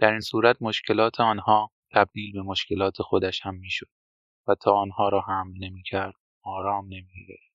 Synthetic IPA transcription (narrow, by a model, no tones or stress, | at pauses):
d̪̥æɾiːnsuːɾæt̪moʃcʰe̞lɒːt̪ʰeɒːnhɒː | t̪ʰæb̚d̪̥iːlbe̞moʃce̞lɒːt̪ʰe̞xod̪æʃhæmːiːʃod̪̚ | væt̪ʰɒːɒnhɒːɾɒːɦæmlne̞miːcʰæɾd̪̥̚ | ɒːɾɒːmne̞miɡɾḛ